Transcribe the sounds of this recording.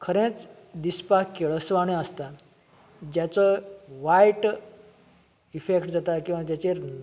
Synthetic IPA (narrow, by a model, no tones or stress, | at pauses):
kʰəɾẽt͡s | d̪ispakeɭəsʋaɽ̃ẽəst̪a | d͡ʑjat͡sɔʋajʈ | ifekʈd͡zat̪akĩw̃ʋad͡ʑjat͡ɕeɾ